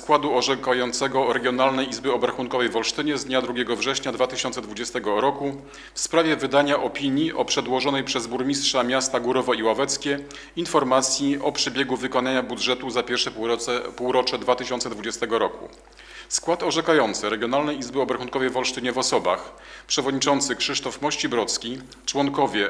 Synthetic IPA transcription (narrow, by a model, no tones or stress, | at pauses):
skwad̪uɔʐɛkajɔnt̪sɛɡɔɾɛɡʲjɔnalnɛjizbɘɔbɾaxunkɔvɛjvɔlʂt̪ɘɲɛzd̪ɲad̪ɾuɡʲɛɡɔvʐɛɕɲad̪vat̪ɘɕɔnt̪sɛd̪vud͡ʑɛst̪ɛɡɔɾɔku | fspɾavʲjɛvɘd̪aɲaʔɔpʲiɲiʔɔpʂɛd̪wɔʐɔnɛjpʂɛzbuɾmʲistʂamʲjast̪aɡuɾɔvɔiwavɛt̪skʲɛ | infɔɾmat̪sʲjiʔɔpʂɛbʲjɛɡuvɘkɔnaɲabud̪ʐɛt̪uzapʲjɛɾʂɛpuwɾɔt͡ʂɛd̪vat̪ɘɕɔnt̪ɛd̪vud͡ʑɛst̪ɛɡɔɾɔkṵ | skwat̪ɔʐɛkajɔnt̪sɘɾɛɡʲjɔnalnɛjizbɘɔbɾaxunkɔvɛjvɔlʂt̪ɘɲɛvɔsɔba̰xpʂɛvɔd̪ɲit͡ʂɔnt̪sɘkʂɘʂt̪ɔfmɔɕt͡ɕibɾɔt̪skʲi | t͡ʂwɔŋkɔvʲjɛ